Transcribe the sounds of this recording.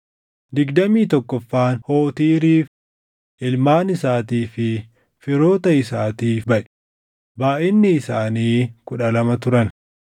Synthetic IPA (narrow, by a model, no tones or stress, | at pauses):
d̪ɪɡd̪ɐmiːt̪ɔkːɔfːaːnho̞ːt̪iːɾiːf | ʔɪlmaːnɪsaːt̪iːfɪ | fɪɾo̞ːt̪ɐɪsaːt̪iːfbɐʔɛ̥ | baːʔɪnːɪɪsaːniːkʊᶑɐlɐmɐt̪ʊɾɐn